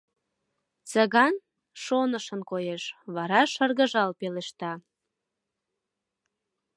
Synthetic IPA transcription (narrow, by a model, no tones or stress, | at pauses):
t͡səɣɑn | ʃonəʃənkojeʃβɑɾɑʃərɣəʒɑlpeleʃt̪ɑ